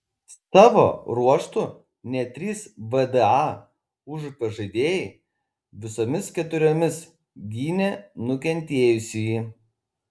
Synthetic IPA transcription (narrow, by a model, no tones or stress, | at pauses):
sɑːʋo̰ːɾuɔʃt̪u | nʲɛt̪ʲɾʲiːsʋɛd̪ɛɑː | ʊʒpɐʒɐd̪ʲeːjɪ | ʋʲɪsoːmʲɪskʲɛt̪ʊɾʲoːmʲɪs | ɡʲiːnʲɛnʊkʲɛnʲt̪ʲeːjʊsʲɪjiː